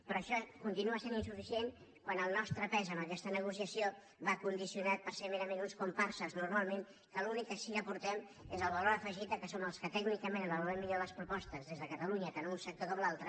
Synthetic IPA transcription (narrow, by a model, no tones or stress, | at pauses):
pɾɔːʃɔkunt̪inuəseninsufisien | kwanəlˠnɔst̪ɾəpɛzəməkɛst̪ənəɣ̞usiəsijo | βakund̪isiunat̪̚pəɾsemeɾəmenunskumpaɾsuznuɾmalˠmen | kəlunikːəsiəpuɾt̪ɛm | ezəlˠβəloɾəfəʒit̪̚d̪əkəsoməlˠskət̪ɛɡnikəmenəβəluɾɛmːiʎoləspɾupɔst̪əzðezðəkət̪əluɲət̪anunsək̚t̪okɔmlˠalˠt̪ɾə